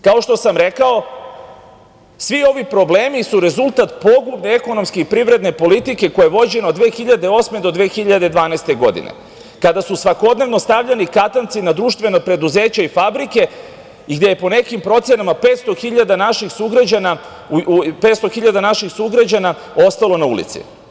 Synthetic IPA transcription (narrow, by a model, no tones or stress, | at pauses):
kao̞ʃt̪o̞samɾe̞kao̞ | sʋio̞ʋipɾo̞bleːmisuɾe̞zulˠt̪at̪po̞ɡubne̞e̞ko̞no̞mske̞ipɾiʋɾe̞d̪ne̞po̞lit̪ike̞ko̞jaeʋo̞d͡ʑe̞nood̪ʋeːxiʎad̪e̞o̞sme̞d̪o̞d̪ʋeːxiʎad̪ed̪ʋaːnast̪e̞ɡo̞d̪ḭnḛ | kad̪asusʋako̞d̪ne̞ʋno̞st̪aʋʎenikat̪ant̪sinad̪ɾuʃt̪ʋe̞nopɾe̞d̪uze̞ːt͡ɕaifabɾike̞ | iɡd̪jejepo̞ne̞kimpɾo̞t̪sjenamape̞ːt̪st̪o̞xiʎad̪anaʃixsuɡɾad͡ʑana | pet̪st̪o̞xiʎad̪anaʃixsuɡɾad͡ʑana | o̞st̪alo̞naṵlḭt̪sḭ